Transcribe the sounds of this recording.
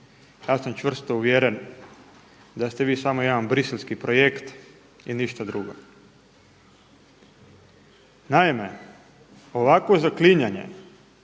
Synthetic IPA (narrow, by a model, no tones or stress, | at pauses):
jaːsamt͡ʃʋr̩st̪ouʋjeɾen | d̪ast̪e̞ʋiːsamo̞jed̪anbɾiselʲskipɾo̞jekt̪ | iniʃt̪ad̪ɾuɡo̰ | naime̞ | o̞ʋakʋozakliɲaɲe̞̰